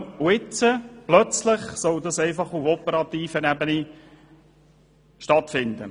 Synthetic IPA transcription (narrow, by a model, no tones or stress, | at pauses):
ʊɪt͡səplœt͡slɪχsɔld̪ɑsɛɪfɑχʊfɔpəɾɑt̪iːfənæbəni | ʃtɑt̪fɪnd̪ə̰